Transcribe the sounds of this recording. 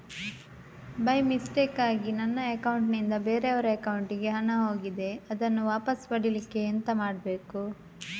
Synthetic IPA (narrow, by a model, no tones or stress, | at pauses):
bɐjmisʈeːkaːɡinɐnːɐɐkɐwuɳʈnind̪ɐbeːɾeɐʋɐɾeɐkɐwuɳʈiɡe̞ɦɐnɐɦo̞ːɡid̪e̞ɐd̪ɐnːuʋaːpɐsʋɐɽilikːe̞ːnt̪ɐmaːɖbe̞ːku